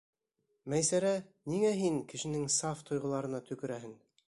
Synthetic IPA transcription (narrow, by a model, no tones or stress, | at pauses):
mæjsæɾæniŋæɦiŋkɘ̆ʃɘ̆nɘŋsɑft̪ŏjʁɤ̆lˠɑɾɤ̆nɑt̪ɵ̆kɘ̆ɾæɦɘŋ